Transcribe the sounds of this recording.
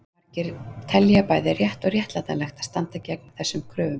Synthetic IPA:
aɾcɪɾt̪ʰɛlːjapaːjðɪrjɛht̪ɔɣrjɛht̪lat̪alɛxt̪aðst̪ant̪acɛk̚nḁθɛsːʏmkʰɾʏːvʏm

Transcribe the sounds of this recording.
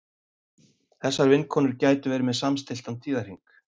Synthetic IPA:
θɛsːaɾvɪnːkʰɔːnʏɾcaːjt̪ʏvɛːɾɪmɛðsamst̪ɪlt̪ant̪ʰiːðaɾ̥hiŋk

